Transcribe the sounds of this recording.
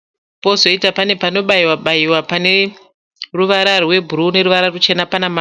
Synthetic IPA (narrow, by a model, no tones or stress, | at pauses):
po̞zo̞itapane̞pano̞ɓaiwaɓaiwapane̞ | ruʋaɾarwe̞bʱuɾune̞ɾuʋaɾarut͡ʃe̞napanama